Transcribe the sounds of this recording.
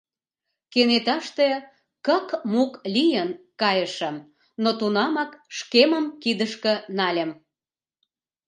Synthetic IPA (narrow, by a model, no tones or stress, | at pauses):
kenet̪ɑʃt̪e | kəkmuklʲijənkɑjəʃə̆m | not̪unɑmɑkʃkemə̆mkid̪əʃkə̆nɑlʲə̆m